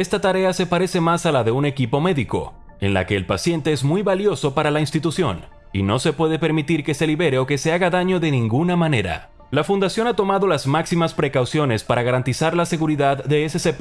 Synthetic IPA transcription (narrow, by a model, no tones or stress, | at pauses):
e̞st̪at̪aɾe̞ase̞paɾe̞se̞masalaðe̞une̞kipo̞me̞ðiko̞̰ | e̞̰nla̰ke̞ːlpasje̞nt̪e̞ezmujβaljo̞so̞paɾalainst̪it̪usjo̞̰n | ḭno̞se̞pwe̞ðepe̞ɾmit̪iɾke̞se̞liβe̞ɾe̞o̞ke̞se̞aɣaðaɲo̞ðe̞nĩŋɡunamane̞ɾa̰ | lafund̪asjo̞nat̪o̞maðo̞lazmaksimaspɾe̞kawsjo̞ne̞spaɾaɣaɾant̪isaɾlase̞ɣuɾiðaðːe̞ese̞sep